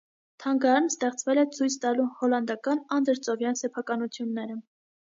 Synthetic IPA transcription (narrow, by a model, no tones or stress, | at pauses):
t̪ʰɑŋɡɑɾɑnst̪ɛχt͡svɛlɛt͡sʰujt͡sʰt̪ɑluhɔlɑnd̪ɑkɑnɑnd̪əɾt͡sɔvjɑnsɛpʰɑkɑnut͡sʰjunːɛɾə